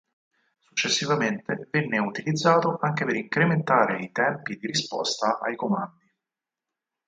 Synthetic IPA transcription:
su̥t͡ʃːesːivament̪evenːeut̪ilid̪zːaːt̪oʔaŋk̟epeɾiŋkɾement̪aːɾeit̪ɛmpid̪iɾispɔ̰st̪aʔa̰jkomand̪i

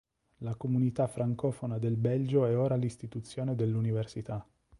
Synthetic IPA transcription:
lakomunit̪afːɾaŋkɔːfonad̪elbɛld͡ʒoɛoːɾalist̪it̪ut̪sːjoːned̪elːuniversit̪a

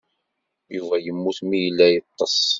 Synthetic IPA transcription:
juvæjəmːuθmijəlːæjət̪ˤːɑsˤ

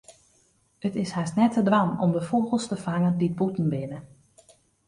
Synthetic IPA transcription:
ətɪshɛsnɛtədramɔ̰mdəfoːɣəlˠstəfaŋəndit̚butn̩bɪnə

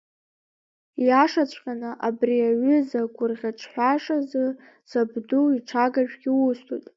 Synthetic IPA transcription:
jaʂat͡ɕʷʰʼqʲʼanɨʔabriaɥʏzaɡʷʊrʁʲat͡ʃʷʰħʷᶣaʂazɨ | sabduiʈ͡ʂʰaɡaʒᶣɡʲiwustʰujtʼ

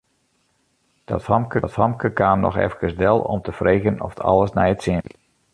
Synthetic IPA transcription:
d̥ɔ̰thɑmkətfɑmkəkaːmnɔ̰xɛ̰fkəsdɛlˠɔ̰mtəfreːɣənɔ̰fətʰɑ̰lˠəsnɛjətsɪ

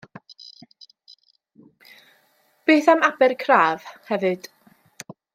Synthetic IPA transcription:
b̥eːθamabɨrkʰraːv̥hɛvɨd̥

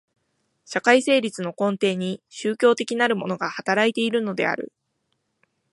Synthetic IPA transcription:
ɕakaise̞ːɾʲit͡sɨno̞kõ̞nt̪e̞ːɲ̟iɕɨːkʲo̞ːt̪e̞kʲinaɾɯ̟mo̞no̞ɡahat̪aɾait̪e̞iɾɯ̟no̞d̪e̞̰a̰ɾɯ̟̰

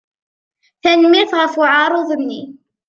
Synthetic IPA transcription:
θænəmːɪθʁəfʊʕɑɾˤoðˤənːi

